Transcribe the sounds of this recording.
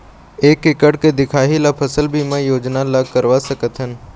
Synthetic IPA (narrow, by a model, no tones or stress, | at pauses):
eːkːɪkəɽked̪ɪkʰaːɦilapʰəsəlbʱimẽjoːd͡ʒnaləɡ̚kəɾʋasəkət̪ɦən